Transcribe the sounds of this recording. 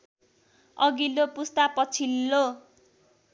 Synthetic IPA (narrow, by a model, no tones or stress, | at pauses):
ʌɡilopust̪apʌt͡sʰilːo